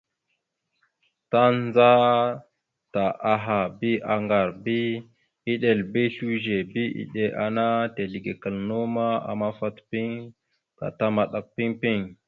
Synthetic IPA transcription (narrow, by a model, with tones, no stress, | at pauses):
ta˦nd͡za˦ | ta˨ʔa˨ɦa˨bi˦ʔa˨ŋɡa˨ɾbi˦ | i˦ɗe˨lbi˦ɬu˦ʒe˨bi˦ḭ˨ɗe˨ʔa˨na˦te˨ɮi˨ɡe˨kə˨lno˦ma˦a̰˨ma˦fa˦tpi˦ŋ | ka̰˨ta˦ma˨ɗa˨k̚pi˦ŋpi˦ŋ